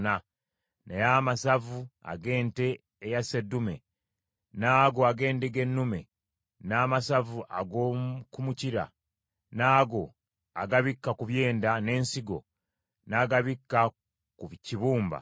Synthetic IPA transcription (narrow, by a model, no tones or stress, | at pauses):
na | nejaːmasavua̰ɡe̞ːnte̞ː | jase̞dume̞̰ | naːɡoaɡe̞ːndeɡe̞nːume̞̰ | naːmasavuʔa̰ɡokumuciɾa̰ | naːɡo̞ | aɡaβikːakuβje̞ːndane̞ːnsiɡo̞̰ | naːɡaβikːa | kuβciβuːmba̰